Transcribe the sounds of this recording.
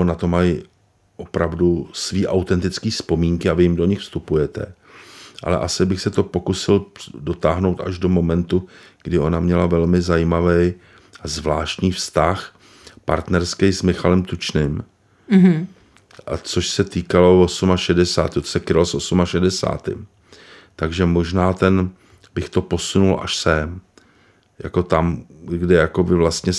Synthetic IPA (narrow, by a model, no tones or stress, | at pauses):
onat̪o̞maj | ʔo̞pɾavdusviːʔawt̪ɛnt̪ɪt͡skiːspo̞miːŋkɪavɪjɪmdo̞ɲɪxfst̪upujɛt̪ɛ̰ | ʔa̰lɛ̰ʔasɪbɪxsɛt̪o̞po̞kusɪldo̞t̪aːɦno̞wt̪ʔa̰ʒdo̞mo̞mɛnt̪uɡ̥dɪo̞namɲɛlavɛlmɪzajimavɛj | azvlaːʃt̪ɲiːfst̪ax | pa̰ɾt̪nɛɾskɛjsmɪxalɛmt̪ut͡ʃnɪm | ʔa̰t͡so̞ʃsɛt̪iːkalo̞vo̞sumaʃɛdɛsa̰ːt̪ɪot̪o̥sɛkɾɪalosʔo̞sumaʃɛdɛsa̰ːt̪ɪ̰m | t̪aɡʒɛmo̞ʒnaːt̪ɛn | bɪxt̪o̞po̞sunulʔa̰ʃsɛm | ja̰ko̞t̪amɡdɛjako̞bɪvlast̪ɲɛ